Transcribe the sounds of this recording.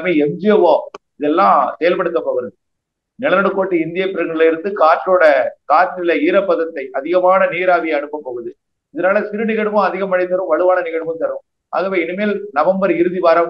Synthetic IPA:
meːɛmd͡ʒɪjɐʋoːɪðɛlːãːsɛjɐlpɐɽɯt̪ːɐpoːɣɯɾɐðɯ | nɪlɐnɐɽɯkːoːʈːɯɪnd̪ɪjɐpːɪɾɐŋɡɐɽɪlɐɪɾɯnd̪ɯkaːʈːloːɽɐkaːʈːɪlɐiːɾɐpːɐðɐt̪ːɐɪʔɐðɪɣɐmaːnɐniːɾaːðɪjɐɐɳɯpːɐmpoːɣɯɐðɯ | ɪðɐnaːlɐsɪɾɯnɪɣɐɽɯmʊ̃ɐðɪɣɐmɐnɐɪt̪ːɐɾɯ̃mʋɐɭɯʋaːnɐnɪɣɐɽɯmɯ̃mt̪ɐɾɯ̃m | a̰ːɣɐʋeːɪnɯmeːlnɐʋɐmbɐɾɪɾɯðiʋaːɾɐm

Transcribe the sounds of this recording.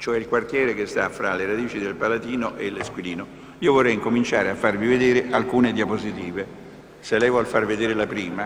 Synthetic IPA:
t͡ʃoɛilkwart̪jɛːɾekest̪afɾaleɾad̪iːt͡ʃid̪elpalat̪iːnoʔelːeskwiliːno | iːovorːɛjiŋkomint͡ʃaːɾeafːarmived̪eːɾeʔalkuːned̪iapozit̪iːve | selːɛjvwɔlfarved̪eːɾelapɾiːma

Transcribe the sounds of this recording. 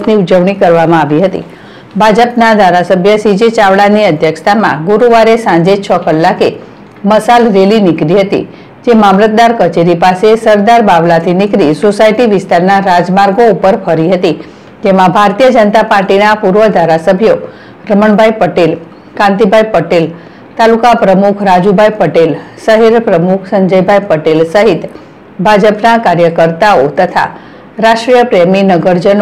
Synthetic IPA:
niud͡ʒəʋɳikəɾʋamãaʋiɦət̪ḭ | bʱad͡ʒəpnad̪ʱaɾasəbʱjəsid͡ʒet͡ʃaʋɭaniəd̪ʱjəkʂt̪ʰamã̰ɡuɾuʋaɾesãɲd͡ʒet͡ʃʰəkəlːake | məsalɾelinɪkɾiɦət̪ḭ | d͡ʒemamlət̪̚d̪aɾkət͡ʃeɾipasesəɾd̪aɾbaʋlat̪ʰinɪkɾisosaiʈiʋɪst̪aɾnaɾad͡ʒmaɾɡoupəɾfʰəɾiɦət̪i | d͡ʒemãbʱaɾt̪ijəd͡ʒənt̪apaɾʈinapuɾʋəd̪ʱaɾasəbʱjo | ɾəməɳbʱajpəʈel | kãnt̪̬ibʱajpəʈel | t̪alukapɾəmukʰɾad͡ʒubʱajpəʈelsəɦeɾpɾəmukʰsəɲd͡ʒəjbʱajpəʈelsəɦit̪ | bʱad͡ʒəpnakaɾjəkəɾt̪aot̪ət̪ʰa̰ | ɾaʃʈɾijəpɾeminəɡəɾd͡ʒən

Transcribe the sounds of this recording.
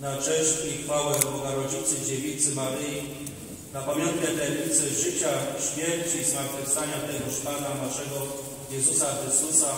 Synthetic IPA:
nat͡ʂɛʂʲixfawɛbɔɡaɾɔd͡ʑit̪sɘd͡ʑevʲit̪sɘmaɾɘji | napamʲjɔnt̪̚kʲɛt̪lɛɲit̪sɘʐɘt͡ɕaɕmʲjɛɾt͡ɕizmaɾt̪fɘfst̪aɲat̪ɛɡɔʃpananaʂɛɡɔ | jɛzusaxɾɘst̪usa

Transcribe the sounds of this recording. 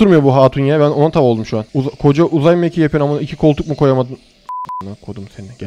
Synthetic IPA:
uɾmɯjo̞buɦaːt̪ʰunjabæno̞nat̪ʰabolˠd̪umʃuanuzakʰo̞d͡ʒaʔuzajmecʰijapʰijɾamuicʰikʰo̞lˠt̪ʰuk̚mukʰo̞jamad̪ɯn | onakʰod̪umseninɛɟ

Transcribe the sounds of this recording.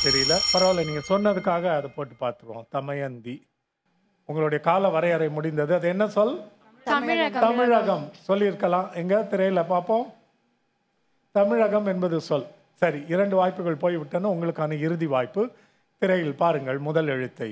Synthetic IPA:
sɛɾɪlɐpɐɾɐʋɐlːɐniːŋɡɐsɔnːɐðɯkːaːɣɐːðɐpoːʈːɯpaːɾt̪ɯkːõ̰ːt̪ɐmɐjɐnd̪i | ʊŋɡɐɭʊɽɐjɐkaːlɐʋɐɾɐjɐɾɐɪmʊɽɪnd̪ɐðɯɐðɯɛnːɐsɔl | t̪ɐmɪɻɐɣɐmsɔlːɪɪɾɯkːɐlãːʔɛŋɡɐt̪ɪɾɐjɪlɐpːaːɐpːõː | t̪ɐmɪɻɐɣɐmɛnbɐðɯsɔl | sɐɾiɪɾɐɳɖɯʋaːjpːɯɣɐɭpoːjʋɪʈːɐnːɯʊŋɡɐɭɯkːaːnɐɪɾɯðiʋaːjpːɯ | t̪ɪɾɐjɪlpaːɾɯŋɡɐɭmʊðɐlɛɻɯt̪ːɐɪ

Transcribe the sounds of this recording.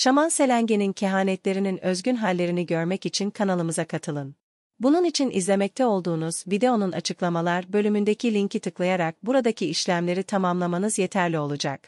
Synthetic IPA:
ʃamanse̞lʲæɲɟe̞nincʰeɦaːnɛt̪lʲe̞ɾininøzɟynɦalʲːe̞ɾiniɟø̞ɾmɛcit͡ʃʰinkʰanalˠɯmɯzakʰat̪ʰɯlˠɯn | bununit͡ʃʰinḭzlʲe̞mɛc̚t̪ʰɛo̞lˠd̪uːnuz̥bid̪eo̞nuna̰t͡ʃʰɯklˠamalˠaɾbø̞lʲymynd̪ecʰilʲiɲcit̪ʰɯklˠajaɾak̚buɾad̪acʰiiʃlʲæmlʲe̞ɾit̪ʰamamlˠamanɯzje̞t̪ʰæɾlʲio̞lˠud͡ʒak̚

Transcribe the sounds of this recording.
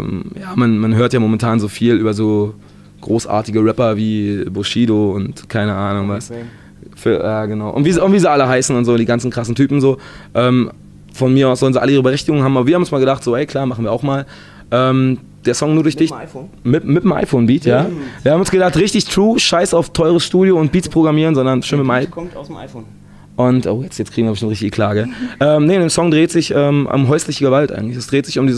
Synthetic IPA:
mjaːmanmanɦøːɐtjaːmomɛntʰaːnzoːfiːlyːbɐzoː | ɡ̥ʁoːsʔa̰ːɐtɪɡəʁɛpɐviːboʃiːdoʊntkʰaɪnəʔaːnʊŋvas | fyːɐjaːɡənaʊʔʊ̰ntv̥iːzʊntv̥iːziːʔaləɦaɪsn̩ʊntz̥oːdiːɡansn̩kʁ̥asn̩tʰyːpm̩zoːʔɛːm | fɔnmiɐaʊsz̥ɔlnziʔaləiːʁ̞əbəʁɛçtɪɡʊŋnhaːm̩abɐviːɐhamnʊnsmaːlɡədaχtz̥oːɛɪkʰl̥aːmaχn̩viːaʊxmaːl | ʔɛːm | d̥eːɐsɔŋnuːɐɾʊɐçd̥ɪç | mɪtmɪtəmʔa̰ɪfoːnbiːtʰjaːviːhabm̩ʊnsɡ̥ədaχtʁɪçtɪçtʁ̥uːʃaɪsaʊftʰɔʏʁəsʃtuːdjoʊnt̚b̥iːtpʁ̥oɡʁamiːʁənzɔndɐnʃøːnmɪmaɪkʰɔ | ʔʊntʔo̰ːjɛt͡stjɛtt͡stkʁ̥iɡŋviɐbɪtɪmtʁɪçtɪç̥ikl̥aːɡəʔɛːmnəndeːsɔŋdʁeːtz̥ɪçʔɛːmʔʊ̰mɦɔʏslɪçəɡəvaltʔaɪɡŋ̩tlɪçɛsd̥ʁeːtz̥ɪçʊmdiːz

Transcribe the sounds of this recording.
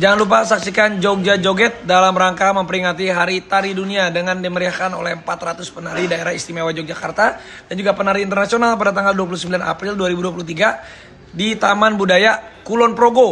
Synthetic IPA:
d͡ʒaŋanlup̬asaksikand͡ʒok̚d͡ʒad͡ʒoɡɛt̪̚dalamɾaŋkaməmpəɾiŋat̪iɦaɾit̪aɾiduniadəŋandiməɾiakano̰lɛhəmpat̪rat̪ʊspənaɾidaeɾahist̪imewad͡ʒɔk̚d͡ʒakart̪a | d̥and͡ʒuɡapənaɾiːnt̪ərnasionalpadat̪aŋɡalduap̬ulusəmbilana̰pɾilduaɾibuduap̬ulut̪iɡa | dit̪amanbudajakulɔnpɾoɡo

